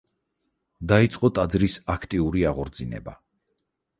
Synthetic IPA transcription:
d̪ait̪sʼqʼɔt̪ʼad̪zɾisakʰt̪ʼiuɾiaʁɔɾd̪zinɛ̰ba̰

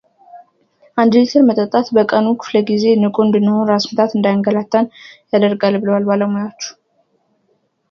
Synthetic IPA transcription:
ʔand̪ɨlet̪ʰəɾmət̪ʼət̪ʼːat̪bəkʼənukʰɨ̥fləɡize̞nɨkʼund̪ɨnːəhonɾasmɨt̪ʰat̪ɨnd̪ajŋɡəlat̪ʰːanjad̪əɾɡalbɨləwalbaləmojawt͡ʃːu̥

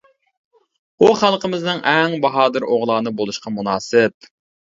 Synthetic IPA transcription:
uχælˠqəmɪznɨŋʔɛŋbɑɦɑːd̪ɨɾʔoʁlˠɑːnɨbolˠuʃqɑmunɑːsɪp̚

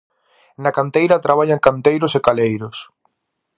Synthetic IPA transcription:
nɐkant̪ejɾɐt̪ɾaβaʎaŋkant̪ejɾʊsekalejɾʊs

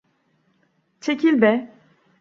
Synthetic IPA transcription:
t͡ʃʰecʰilʲbɛ

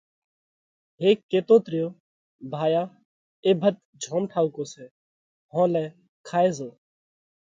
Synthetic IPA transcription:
ɦeːkːeːt̪oːt̪ɾɪjoː | bʱaːjaː | eːbʱət̪̚ | d͡ʒʱõːmʈʰaːʊkoːseː | ɦõːlɛː | kʰaːeːzoː

